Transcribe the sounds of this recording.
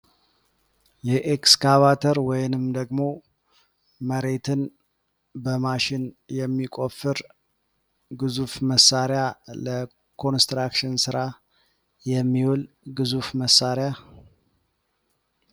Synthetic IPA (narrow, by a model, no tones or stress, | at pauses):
jɛʔekskaβat̪ʰəɾwɔjnɨmd̪əɡmo̞ | məɾe̞t̪ʰɨn | bəmaʃɪn | jɛmːikʼofːɨɾ | ɡɨzufməsːaɾjalə | kʰo̞nst̪ɾakʃɪnsɨɾa | jɛmːiwɔl | ɡɨzufməsːaɾeja